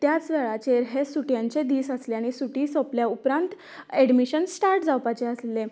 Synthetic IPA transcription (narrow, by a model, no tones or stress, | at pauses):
t̪jat͡sʋɛɭat͡ɕeɾɦesuʈjãɲt͡sed̪iːsəsleaɽ̃isuʈiːsəpljaupɾãnt̪ | ɛɽmiɕənsʈaɾʈd͡zawpat͡ɕeəsle